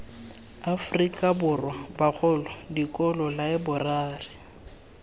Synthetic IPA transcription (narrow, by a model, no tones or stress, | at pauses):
afrikʼabʊrwabak͡xʰʊlɔdikʼɔlɔlaɪbʊraːrɪ